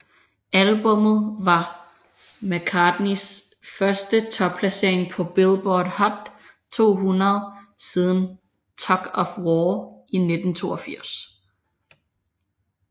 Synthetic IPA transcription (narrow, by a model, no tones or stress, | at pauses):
ælb̥ɔ̽mð̞̩ˠʋɑ̈ | mækʰɑd̥nis | fɶɐsd̥ət͡sʰɒ̽b̥̚pʰlæse̝ɐ̰e̝ŋpʰɒ̽b̥elb̥ɒːd̥hɒ̽d̥ | t͡sʰo̝̰ːɦunɐð̞ˠsið̞ˠn̩ | t͡sʰɒɡ̥ɒ̽fwɒːʔine̝d̥n̩t͡sʰo̝ːɐfiɐ̰s